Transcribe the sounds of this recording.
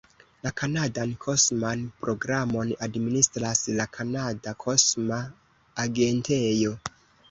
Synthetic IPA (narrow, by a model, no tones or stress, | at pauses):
lakʰanadankʰo̞smanpɾo̞ɡɾamo̞nadministɾaslakʰanadakʰo̞smaː | ɡe̞ntejo̞